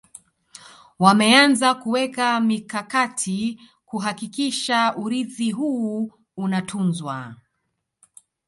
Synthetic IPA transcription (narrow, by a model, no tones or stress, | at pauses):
wamɛanzakuwɛkamikakatʰi | kuɦakikiʃauɾiθiɦuː | unatʰunzwa̰